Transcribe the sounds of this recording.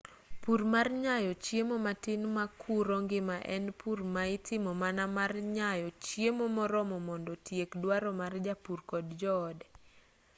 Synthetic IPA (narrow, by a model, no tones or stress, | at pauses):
puɾmarɲajɔt͡ʃjemɔmatɪnmakʰuɾɔŋɡɪmaʔɛnpurmaɪtɪmɔmanamarɲajɔt͡ʃjemɔmɔɾɔmɔmɔndɔtjekdwaɾɔmard͡ʒapurkɔdd͡ʒɔːdɛ